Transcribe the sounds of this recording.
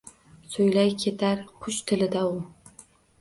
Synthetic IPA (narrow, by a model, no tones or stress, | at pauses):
sojlajkʲʰe̞t̪ʰaɾqʰʊʃt̪ʰɪlɪd̪aʊ